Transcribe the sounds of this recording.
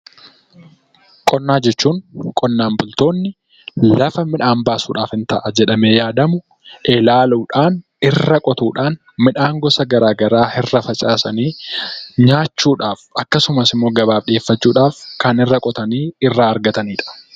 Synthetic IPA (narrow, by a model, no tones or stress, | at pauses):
kʼɔnːaːd͡ʒɛt͡ʃːuːŋkʼɔnːaːmbʊlt̪o̞ːnːɪ | lɐfɐmɪᶑaːmbaːsṵːᶑaːfɪnt̪ɐʔɐd͡ʒɛᶑɐmeːjaːd̪ɐmʊ | ʔelaːluːᶑaːn | ɪrːɐkʼɔt̪uːᶑaːn | mɪᶑaːŋɡɔsɐɡɐɾaːɡɐɾaːhɪrːɐfɐt͡ʃʼaːsɐniːɲaːt͡ʃːuːᶑaːfɐkːɐsʊmɐsɪmːo̞ːɡɐbaːbᶑɪeːfːɐt͡ʃːuːᶑaːfkɐnɪrːɐkʼɔt̪ɐniːɪrːaːɐɾɡɐt̪ɐniːᶑɐ̥